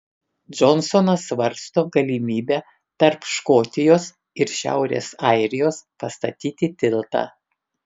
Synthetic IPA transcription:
d͡ʒɔnsɔnɐsʋɐɾst̪oːɡɐlʲimʲiːbʲæː | t̪ɐɾpʃkoːt̪ʲɪjoːs | ɪɾʃʲæ̰ˑʊɾʲḛːsɑɪɾʲɪjoːspɐst̪ɐt̪ʲiːt̪ʲɪt̪ʲɪlˠt̪ɑ̰ː

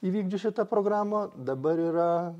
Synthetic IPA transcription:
iːʋʲiːɡd͡ʒʲʊʃʲɪt̪ɐpɾoːɡɾaːmod̪ɐbɐɾiːɾɐ

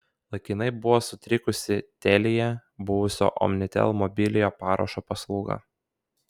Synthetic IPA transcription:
lˠɐɪkʲɪnɐɪbʊʋoːsʊt̪ʲɾʲɪkʊsʲɪt̪ʲɛlʲɪjɛbʊʋʊsʲo̰ːʔɔ̰mnʲɪt̪ʲɛ̰lˠmɔbʲɪlʲɪjoːpɑːɾo̰ʃoːpɐslˠuːɡɑ̰

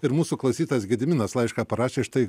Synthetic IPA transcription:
ɪɾmuːsuːklˠɐʊsʲiːt̪ɐsɡʲɪd̪ʲɪmʲɪnɐslˠɐɪʃkɑːpɐɾɑːʃʲeːʃt̪ɐɪ

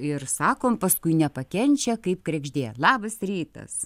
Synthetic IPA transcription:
ɪrsɑːkoːmpɐskʊɪnʲɛpɐkʲɛnʲt͡ʃʲɛkɐɪp̚kɾʲɛɡʒʲd̪ʲeːlˠɑːbɐsɾʲiːt̪ɐ̰s

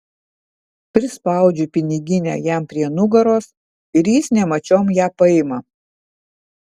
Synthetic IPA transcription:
pʲɾʲɪspɐˑʊd͡ʒʲʊpʲɪnʲɪɡʲɪnʲɛ̰ːjæˑmpʲɾʲiɛnʊɡɐɾoːs | ɪɾjisnʲɛmɐt͡ʃʲoːmjæːpɐɪmɐ

